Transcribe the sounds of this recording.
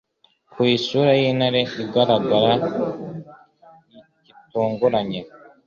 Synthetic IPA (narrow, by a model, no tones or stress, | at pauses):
kuiːʃuɾajiːnhaɾeiɡaɾaɡaɾa | ni | cituːŋɡuɾaɲe